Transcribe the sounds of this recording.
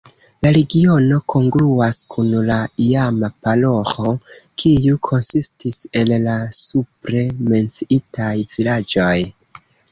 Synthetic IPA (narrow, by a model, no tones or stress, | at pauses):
laɾe̞ɡio̞no̞kʰo̞ŋɡluaskʰunlaiamapalo̞xo̞kʰijukʰo̞nsistise̞llasupɾe̞me̞nt͡siitajvilad͡ʒo̞j